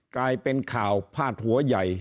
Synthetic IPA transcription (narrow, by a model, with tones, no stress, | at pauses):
klaː˧jpe˧nkʰaː˨˩wpʰaː˥˩t̪̚hu˩˦ɐja˨˩j